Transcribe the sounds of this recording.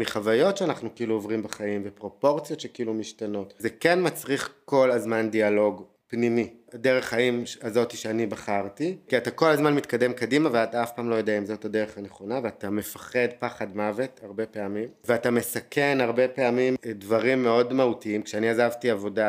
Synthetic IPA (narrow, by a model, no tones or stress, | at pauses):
miχavajo̞tʃeanaχnukiiluovʁimbeχaimvepʁo̞po̞ʁt͡sjo̞tʃekiilumiʃtano̞tzekenmat͡sʁiχko̞lazmandialo̞ɡ | pnimideʁe̞χhaimazo̞tiʃeanibaχaʁtikiatako̞lazmanmit̪kade̞mkadimaveat̪aafpaːmlo̞jodeaimzo̞thadeʁeχaneχo̞naveatame̞fḁχe̞dpaχadmave̞taʁbe̞peamimveatamesakenaʁbe̞peamimdvaʁimːe̞o̞dmahutiimkʃeaniazavtiavo̞da